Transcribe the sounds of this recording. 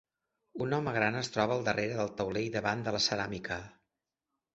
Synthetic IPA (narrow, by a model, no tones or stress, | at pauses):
unɔməɣɾanəst̪ɾɔβəːlˠd̪ərʔeɾəðəlˠt̪əwleiðəβand̪ələsəɾamikʰə